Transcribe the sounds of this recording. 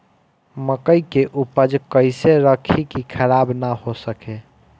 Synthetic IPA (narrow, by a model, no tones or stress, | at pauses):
məkəjkeʔupəd͡ʒkəɪseɾəkʰikikʰəɾabnahosəke